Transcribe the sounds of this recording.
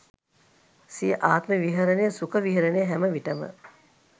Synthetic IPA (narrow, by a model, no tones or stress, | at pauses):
siəʔaːt̪məʋiɦəɾənejəsukəʋiɦəɾənejəɦæməʋiʈəmə̰